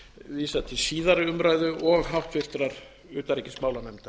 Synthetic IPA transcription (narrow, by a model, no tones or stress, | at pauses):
viːsat̪ʰɪsiːðaɾɪʏmɾaːjðʏʔɔɣɦawht̪fɪr̥t̪ɾaɾ | ʏːt̪aɾɛcɪ̥smaːwlanɛmt̪a